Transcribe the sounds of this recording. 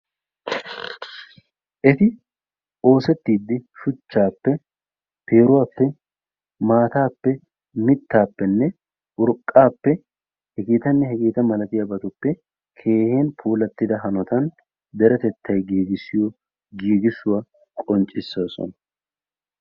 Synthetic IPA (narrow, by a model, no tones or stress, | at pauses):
ʔɛt̪ɪ | o̞ːsɛt̪ːiːd̪ːɪʃʊt͡ʃːaːpːɛ | pʰeːɾʊwaːpːɛ | maːt̪aːpːɛ | mɪt̪ːaːpːɛnːɛ | ʔʊɾkʼːaːpːɛ | hɛɡeːt̪ɐnːɛɦɛɡeːt̪ɐmɐlɐt̪ɪjɐbɐt̪ʊpːɛ | kʰe̞ːhe̞ːnpʰuːlɐt̪ːɪd̪ɐɦɐnɔt̪ɐn | d̪ɛɾɛt̪ɛt̪ːɐjɡiːɡɪsːɪjo | ɡiːɡɪsʊwa | kʼɔnt͡ʃʼːɪsːoːsɔ̰nɐ